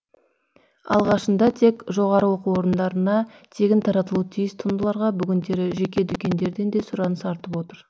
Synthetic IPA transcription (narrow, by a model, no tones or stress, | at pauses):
ɑ̰lˠʁɑʃənd̪ɑt̪ʰe̞kʒo̞ʁɑɾəwo̞quwwo̞ɾənd̪ɑɾənɑ | t̪ʰe̞kʲɪnt̪ʰɑɾɑt̪əlˠut̪ʰijɪst̪ʰʊnd̪əlˠɑɾʁɑbʏɡʲɪnd̪e̞ɾɪʒe̞kʲe̞d̪ʏkʲe̞nd̪e̞ɾd̪e̞nd̪e̞sʊɾɑnəsɑɾt̪əpwo̞t̪əɾ